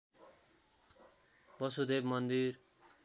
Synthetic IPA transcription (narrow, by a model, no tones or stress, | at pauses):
bʌsud̪ebmʌnd̪iɾ